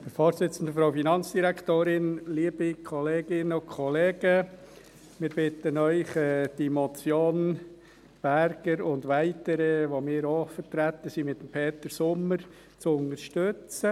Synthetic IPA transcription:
d̥əfɔːɾsɪt͡sən̩d̪əfɾaʊfinɑnt͡sd̥iɾækʰtoːɾɪnliəbikʰɔleːɡ̥ɪnəʊkʰɔleːɡə | mɪːɾb̥ɪtənœʏχɛːd̥imɔt͡sjoːn | b̥æɾɡ̥əɾʊnd̪ʋæɪtəɾəʋomɪːɾoːfəɾtɾæt̪ːəsimɪt̪əmpʰeːt̪əɾsʊmːəɾ | t͡sʊnəɾʃtøt͡sə

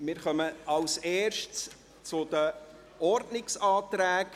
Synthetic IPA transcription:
mɪːɾχœməɑwseːʃts | t͡sʊd̪ə | ɔɾdnɪksɑːt̪ɾæːk

